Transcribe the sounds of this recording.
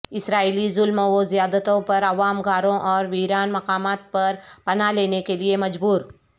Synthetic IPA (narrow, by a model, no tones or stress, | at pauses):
ɪsɾaːilizʊlmʋozijaːd̪ət̪õpɐɾɐʋaːmɡaːɾõʔɔːɾʋiːɾaːnmɐqaːmaːt̪̚pɐɾpɐnaleːnekeliemɐd͡ʒbuːɾ